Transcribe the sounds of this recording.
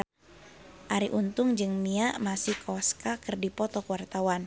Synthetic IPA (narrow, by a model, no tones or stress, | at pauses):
ʔaɾiʔunt̪ʊŋd͡ʒɨŋmiaʔmasihkʰɔskakɨrdipɔt̪ɔkəwart̪awan